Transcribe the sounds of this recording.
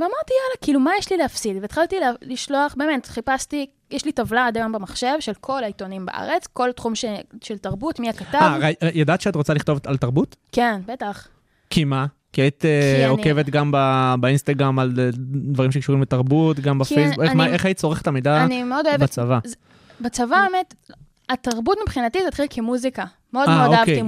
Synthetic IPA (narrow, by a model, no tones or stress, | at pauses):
veamaʁt̪ijalakilumajeʃlileafsid̪veːt̪χaltilliʃlo̞aχbe̞ːme̞tχipast̪i | jeʃlitavlad̪ajambemaχʃe̞vʃelkʰo̞laitonimba̰ʔa̰ʁet͡sko̞ltχumʃeʃeltaʁbutmiakataavʁajjadaːt̪ʃeatʁo̞t͡saliχtovtaltaʁbutke̞nbetaχ | kʰima | kiait̪eokevet̪ɡambabainst̪aɡʁamald̪vaʁimʃekʃuʁimbetaʁbutɡambefejsbukemaeχait̚t͡so̞ʁeχetamejdaanimeo̞doevat͡savaz | bet͡savabemet | ataʁbutmipχinatizet̪χilkʰemuzika | meodmaeooaavkei